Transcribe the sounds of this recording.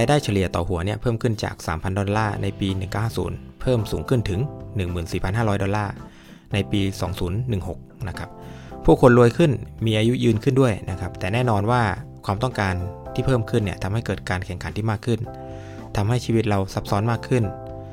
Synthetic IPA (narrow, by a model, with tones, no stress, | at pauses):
ɾaː˧jdaː˥˩jt͡ɕʰa˧li˨˩ət̪ɔː˨˩hu˩˦ɐni˦˥˩ɐpʰɤː˥˩mkʰɯ˥˩nt͡ɕa̰ː˨˩k̚sa̰ː˩˦mpʰa˧ndɔ˧nlaː˥˩na˧jpiː˧nɯ˨˩ŋka˥˩whaː˥˩sṵː˩˦npʰɤː˥˩msuː˩˦ŋkʰɯ˥˩nt̪ʰɯ˩˦ŋnɯ˨˩ŋmɯː˨˩nsiː˨˩pʰa˧nɦaː˥˩ɾɔː˦˥jdɔ˧nlaː˥˩ | na˧jpiː˧sɔː˩˦ŋsuː˩˦nːɯ˨˩ŋho˨˩k̚na˦˥kʰa˦˥p̚pʰuː˥˩kʰːo˧nɾu˧əjkʰɯ˥˩nmiː˧ʔaː˧ju˦˥jɯː˧nkʰɯ˥˩ndu˥˩əjna̰˦˥kʰa˦˥p̚t̪ɛː˨˩nɛː˥˩nɔː˧nwaː˥˩kʰwaː˧mt̪ɔ˥˩ŋkaː˧nt̪ʰiː˥˩pʰɤː˥˩mkʰɯ˥˩nːi˥˩ɐt̪ʰa˧mha˥˩jkɤː˨˩t̪̚kaː˧nkʰɛ˨˩ŋkʰa˩˦nt̪ʰiː˥˩maː˥˩kʰːɯ˥˩n | t̪ʰa˧mha˥˩jt͡ɕʰiː˧wi˦˥t̪̚ɾa˧wsa˦˥p̚sɔ˦˥nmaː˥˩kʰːɯ˥˩n